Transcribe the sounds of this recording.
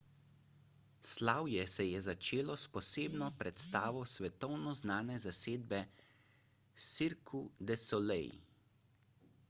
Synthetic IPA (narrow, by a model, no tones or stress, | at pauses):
slaːwjɛsɛjɛzat͡ʃeːlɔspɔseːbnɔpɾɛt̪st̪aːʋɔsʋɛt̪ɔwnɔznaːnɛzaseːd̪̚bɛ | siɾkʰud̪ɛsɔlɛ̰j